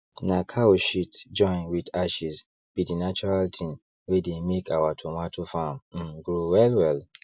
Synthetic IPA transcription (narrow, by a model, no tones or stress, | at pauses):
nakʰaoʃitd͡ʒɔ̃ɪ̃nwidaʃis | b̥idinat͡ʃɔɹaltʰĩm | wedemekʰawatʰomatʰofam̩ɡɹowɛlwɛl